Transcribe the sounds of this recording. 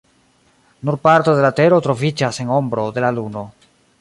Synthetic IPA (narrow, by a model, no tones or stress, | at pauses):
nuɾpaɾto̞de̞late̞ɾo̞tɾo̞vid͡ʒase̞ŋo̞mbɾo̞de̞laluno̞